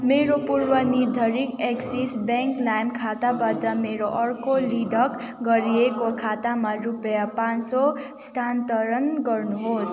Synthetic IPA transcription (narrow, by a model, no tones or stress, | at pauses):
meɾopurbʌnid̪ʱʌɾikeksisbeŋklajmkʰat̪abatʌmeɾoʔʌrkolid̪ʱʌk | ɡʌɾiekokʰat̪amarupjapanso | st̪ʰant̪ʌɾʌnɡʌrnuɦos